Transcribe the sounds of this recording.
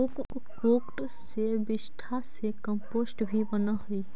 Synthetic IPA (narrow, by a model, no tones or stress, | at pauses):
ʊk | koːkʈ | sebɪsʈʰasekə̃mpoːsʈbʱibənaɦʊi